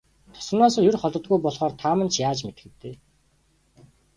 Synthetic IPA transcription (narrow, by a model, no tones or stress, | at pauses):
t̪ʰɔ̥s̆naːsə̆ŋjʊrχɔɮt̪ɞ̆t̪̚ɡujpɔɮχɔːrt̪ʰaːmə̆nt͡ɕʰjaːt͡ɕmet̪ɡɘ̆t̪ːeː